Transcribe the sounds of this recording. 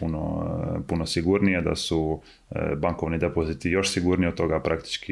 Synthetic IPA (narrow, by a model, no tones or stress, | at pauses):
unopunosiɡuɾnijed̪a̰su | baŋko̞ʋnid̪epozit̪ijo̞ʃsiɡuɾniod̪̚t̪o̞ɡapɾakt̪i̥t͡ʃki